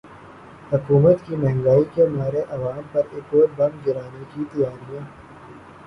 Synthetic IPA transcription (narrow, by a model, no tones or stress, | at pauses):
hʊkuːmət̪kimɛɦɛ̃ŋɡaːikemaːɾeʔɐʋaːmpɐɾɪkoːbɐ̃ŋɡɡɪɾaːnekit̪ɐjaːɾijãː